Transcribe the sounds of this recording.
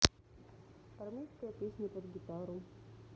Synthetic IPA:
ɐrmʲejskəjəpʲesʲnʲəpəd̪ɡʲɪt̪aɾʊ

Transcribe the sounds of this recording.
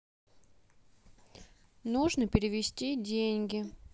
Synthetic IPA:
nuʐnɨpʲɪɾʲɪvʲɪsʲtʲidʲenʲɡʲɪ

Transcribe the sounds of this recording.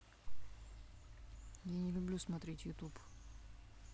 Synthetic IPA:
janʲɪlʲʊblʲusmɐt̪ɾʲetʲjʊt̪up

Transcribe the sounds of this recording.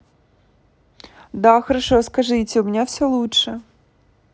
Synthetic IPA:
d̪ɑxɔɾɐʃɔskɐʒɪt͡sʲɐʊmʲnʲɛwsʲɛlˠutʃɛ

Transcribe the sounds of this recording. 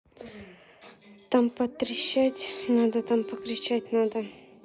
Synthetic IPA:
t̪ampət̪ɾɪɕatʲnad̪ɐt̪ampəkɾɪt͡ɕatʲnad̪ə

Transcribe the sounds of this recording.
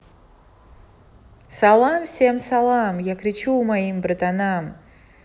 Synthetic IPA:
salˠamsʲemsalˠamjakʰɾit͡ʃʰuːmajimbrd̪anam

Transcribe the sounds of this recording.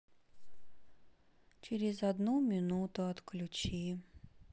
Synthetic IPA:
t͡ɕɪɾʲɪzɐd̪numʲɪnut̪ʊɐt̪klʲut͡ɕi

